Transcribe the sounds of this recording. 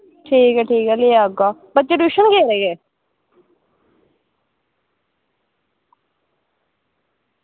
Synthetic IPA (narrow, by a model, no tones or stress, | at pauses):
ʈʰiːkɛʈʰiːkɛːleaːɡaːbət͡ʃeʈuʃənkeːɾeːɡeː